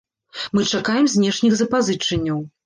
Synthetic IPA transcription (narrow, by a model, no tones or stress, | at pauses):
mɨt͡ʂakajɛmzʲnʲɛʂnʲixzɐpazɨt͡ʂɐnʲːɐw